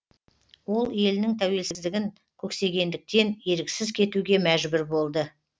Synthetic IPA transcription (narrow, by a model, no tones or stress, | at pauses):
wo̞lˠe̞lɪnɪŋt̪ʰæwe̞lsɪzd̪ɪɡʲɪŋ | kʲʰɵkse̞ɡʲe̞nd̪ɪk̚t̪e̞ne̞ɾɪkʲsɪzkʲʰe̞t̪uɡʲe̞mæʒbɪɾbo̞lˠd̪ə